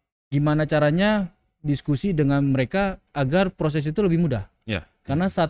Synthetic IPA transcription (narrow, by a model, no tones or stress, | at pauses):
ɡimanat͡ʃaɾaɲa | diskusidəŋanməɾekaːɡarpɾos̬ɛs̬it̪uləbɪhmuda̰h | karnasa